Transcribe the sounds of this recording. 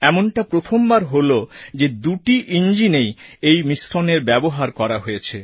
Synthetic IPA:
ɛmonʈapɾot̪ʰombaɾɦolod͡ʑed̪uʈiʔind͡ʑinejejmisʈʰoneɾbɛboɦaɾkɔɾaɦojet͡ɕʰe

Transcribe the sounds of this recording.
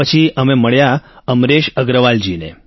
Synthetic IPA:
ət͡ʃʰiəmeməɭjaəmɾeʃəɡɾəʋald͡ʒinḛ

